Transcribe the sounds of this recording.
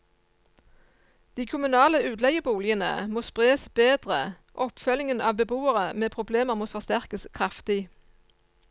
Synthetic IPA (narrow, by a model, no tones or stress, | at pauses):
d̪̥iːkʰʊmʉnɑːləʉːd̪lɛɡəbuːlɪənə̰moːspʁeːsbeːd̪ʁə | ʔɔpfœlɪŋənɑːʋbəbuːəʁəmeːpʰʁʊbleːməʁmoːfɔʁst̪æʁkəskʰʁɑft̪ɪ